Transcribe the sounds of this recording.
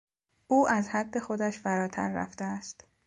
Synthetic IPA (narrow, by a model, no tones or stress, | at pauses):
ʔuːʔæzhæd̪ːe̞xo̞d̪æʃfæɾɒːt̪ʰæ̰ɾːæ̰ft̪eæst̪